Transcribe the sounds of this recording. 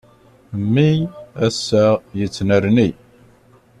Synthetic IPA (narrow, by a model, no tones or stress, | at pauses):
mːiæsːæjət͡sːnəɾni